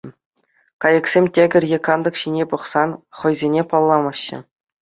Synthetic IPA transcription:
kɑjɤ̆ksʲemʲtʲeɡʲɘ̆rʲjʲekɑnd̪ɤ̆kɕinʲepɤ̆χsɑnχɤ̆jzʲenʲepɑlˠːɑmɑɕːɘ̰̆

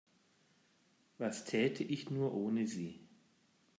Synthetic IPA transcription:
vastʰɛːtʰəʔɪçnuːɐʔoːnəziː

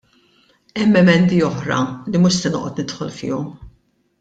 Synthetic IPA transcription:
ɛmːɛmɛnd̪iɔħɾɐ̰limʊʃsɛnɔ̰ːʔɔt̪nɪt̪ħɔ̰lfɪ̰ːjɔm

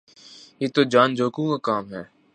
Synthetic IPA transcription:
jeːt̪oːd͡ʒaːnd͡ʒoːkũːkaːkaːmɦɛː

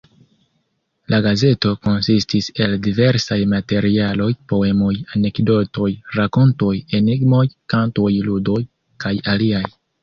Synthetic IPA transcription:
lʔaɡaze̞to̞ko̞nsistise̞ldive̞ɾsajmate̞ɾialo̞jpo̞e̞mo̞jane̞kdo̞to̞jɾako̞nto̞je̞niɡmo̞jkanto̞jludo̞j | kajaliaj

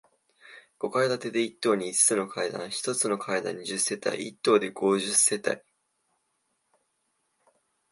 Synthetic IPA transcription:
ɡ̥o̞kaid̪at̪e̞d̪e̞it̪ːo̞ːɲ̟iːt͡sɨ̥t͡sɨno̞kʰaid̪ã̰ɰ̃çi̥t̪o̞t͡sɨno̞kʰaid̪ã̰ɲ̟iʑɨsːe̞t̪a̰ḭit̪ːo̞ːd̪e̞ɡ̥o̞ʑɨsːe̞t̪a̰i

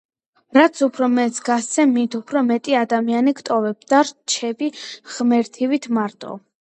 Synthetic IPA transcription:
ɾat̪sʰupʰɾɔmɛt̪sɡast̪ɛmit̪ʰupʰɾɔmɛt̪ʼiad̪amianiɡt̪ʼɔvɛbd̪aɾt͡ʃʰɛbiʁ̥mɛɾt̪ʰivit̪ʰmaɾt̪ʼɔ̰

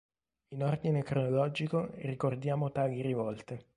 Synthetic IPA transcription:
inord̪inekɾonolɔd͡ʒikorikord̪jaːmot̪aːɡiɾivɔlt̪e

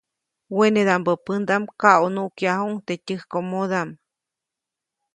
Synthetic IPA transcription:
wened̪ambəpɨnd̪amkaʔonuʔkjaɦuŋt̪etʲɨhkomoðam

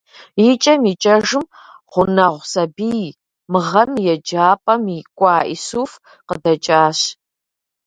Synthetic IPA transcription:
jit͡ʃʼɐmiːt͡ʃʼɐʒɨm | ʁʷʊnɐʁʷsɐbiːj | mɨʁɐmjɛd͡ʒaːpʼɐmikʷʼɑːʔḭsuf | qədɐt͡ʃʼaːɕ

